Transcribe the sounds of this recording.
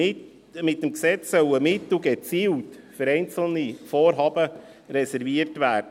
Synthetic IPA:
ɪ | mɪtːəmksɛt͡ssœwəmɪtuɡɛt͡siːwtfəɾɛɪnt͡sl̩nifoːɾɦɑbə | ɾɛsɛɾviərtvæːrd̥ə

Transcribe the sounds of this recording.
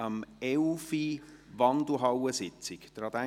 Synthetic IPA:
əmɛlfiʋɑnd̪l̩ɦɑwəsɪt͡sɪkd̥ɾɑd̪æ

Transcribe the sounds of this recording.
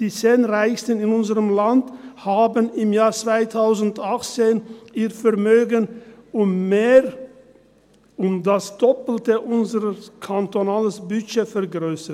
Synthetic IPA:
d̥iːt͡seːnʁaɪçstənɪnʊnzəʁəmlandhaːbənɪmjaːʁt͡sv̥aɪtʰaʊzn̩daχt͡seːnʔiːʁfɛɐmøːɡənʊmːeːʁ | ʔʊmdasd̥ɔpl̩təʔʊnzəʁəkʰantonaːləsbʏçefɛɐɡʁøːsə

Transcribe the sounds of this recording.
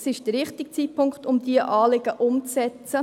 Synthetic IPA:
sɪʃd̥əɾʋɪχtɪk̚t͡siːt̚pʰʊŋkχtʊmd̪iəʔɑːlɪɡ̥əʔʊmt͡sɛt͡sə

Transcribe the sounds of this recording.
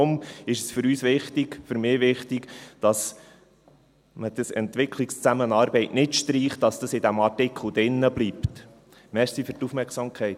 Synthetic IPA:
ʊmɪʃəsfʏɾyːsʋɪχtɪɡ̥fʏɾmɪːʋɪχtɪɡd̥ɑs | məd̥əsɛ̰ntʋɪkʰlɪkst͡sæmənɑːɾbɛɪtnɪtʃtɾiːχtɑsd̥̪əsɪd̪æmɑɾtɪkʰχl̩ˠd̥̪ɪnːəbliːpt̪ | mɛɾsifyɾtufmɛɾksɑmkʰɛɪt

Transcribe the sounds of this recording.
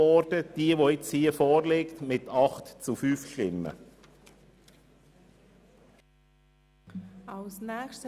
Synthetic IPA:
ɔɾd̥əd̥iːəʋoɪt͡shiːəfɔːɾlɪktmɪtɑχtt͡sufyːfʃtɪmːə̰ | aʊsnɛxʃtə

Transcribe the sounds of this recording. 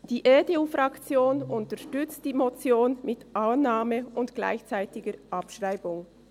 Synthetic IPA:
d̥iːʔeːdeuːfʁɑkt͡sjoːnʔʊntəʃtʏt͡st̚d̥iːmot͡sjoːnmɪtʔaʊnːaːməʊntɡ̥la̰ɪçt͡saɪtɪɡəɾʔɑpʃʁaɪbʊŋ

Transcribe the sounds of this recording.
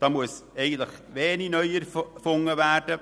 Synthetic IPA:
d̥ɑːmuəsɛɪɡən̩tləχʋeːninœʏɛɾfʊŋːəværd̥ə

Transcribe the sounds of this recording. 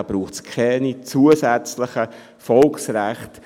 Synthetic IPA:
ɑb̥ɾuːχt͡skʰɛnit͡suəsɛt͡slɪχə | fɔlksɾæχt

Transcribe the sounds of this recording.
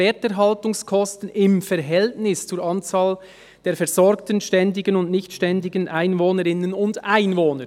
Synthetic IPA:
ɛːtɛɾɦɑltʊŋskʰɔstən̩ɪmfɛɾɦɛltnɪst͡suːɾʔɑnt͡saːl | d̥eːɐfɛɾz̥ɔɾktənʃtɛndɪɡənʊndnɪçtʃtɛndɪɡənʔaɪnvoːnəɾɪnənʊndaɪnvoːnəɾ

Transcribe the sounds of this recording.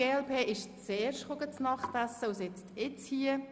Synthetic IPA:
eːɛlpʰeːʔɪʃt͡seːɾʃtχoɡət͡snɑχtæsːəusɪt͡stɪt͡shiə

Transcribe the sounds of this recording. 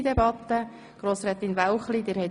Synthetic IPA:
d̪ɛbɑt̪ːə | ɡ̥ɾoːsɾɛːt̪invawχlid̪ɪːɾhɛt

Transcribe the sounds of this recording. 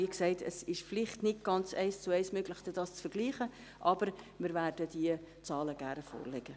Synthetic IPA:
iəksɛɪtʰəsɪʃflɪχtnɪt̚ɡ̥ɑnt͡sɛɪst͡sʊɛɪsmøɡləχd̥ɛd̥ɑːst͡sfəɾɡ̥liːχə | ʔɑb̥əɾ | mɪɾvæːrd̥ədiə | t͡sɑːləɡ̥æɾfo̰ːɾlɛɡ̥ə

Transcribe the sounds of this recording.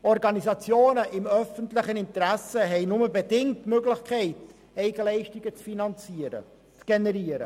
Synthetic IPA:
ɔɾɡɑnizɑt͡sjoːnəʔɪmœfəntlɪχənɪnt̪ɾæsəɦɛɪnʊməbedɪŋtmøɡlɪχkʰɛɪt | ɛɪɡəlɛɪʃtiɡət͡sfinɑnt͡siəɾə̰ | t͡sɡ̥enɛɾiəɾə̰

